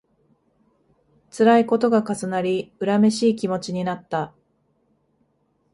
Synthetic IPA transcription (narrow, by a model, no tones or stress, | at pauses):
t͡sɨɾaiko̞t̪o̞ɡakasɨnaɾʲiɯ̟ɾame̞ɕiːkʲimo̞t͡ɕiɲ̟inat̪ːa